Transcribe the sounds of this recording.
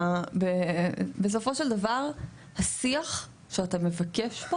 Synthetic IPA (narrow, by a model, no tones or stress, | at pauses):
bebes̬o̞fo̞ʃeld̪avaʁ | hasiaχ | ʃeatame̞vakeʃbo